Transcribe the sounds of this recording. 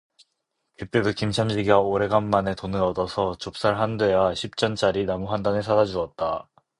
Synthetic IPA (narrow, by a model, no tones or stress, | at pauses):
kɯt͈e̞dokimt͡ɕʰamɕʰiɡiaoɾe̞ɡanːane̞tonɯɾʌdʌsʰʌt͡ɕop̚s͈aɭɦandwe̞jaɕʰip̚t͡ɕ͈ʌnt͡ɕ͈aɾinamuɦandanesʰadad͡ʑuʌt̚t͈a